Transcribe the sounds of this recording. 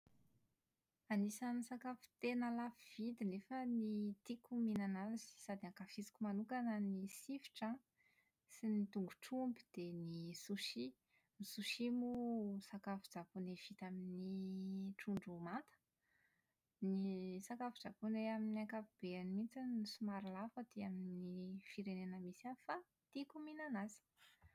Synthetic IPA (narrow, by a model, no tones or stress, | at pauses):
anisanisakafu̥t̪enəlafiv̥id̪inefənit̪ikuminanalzi̥sad̪iakafizi̥kʲumanukanənisifi̥ʈ͡ʂã | sinit̪uŋɡuʈ͡ʂumbi̥d̪̥enisuʃi | nisuʃimusakafu̥d͡zapunev̥it̪aminiʈ͡ʂuɳɖ͡ʐumant̪ə̥ | nisakafud͡zapuneaminiakapub̥eanimint͡sinisumaɾilafəd̪eaminifiɾenenəmisiafa | t̪ikuminanazi̥